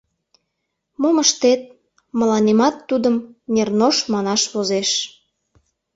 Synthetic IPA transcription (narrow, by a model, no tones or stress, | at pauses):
moməʃt̪et̪̚ | mə̆lɑnemɑt̪ːud̪əmnernoʃmɑnɑʃβozeʃ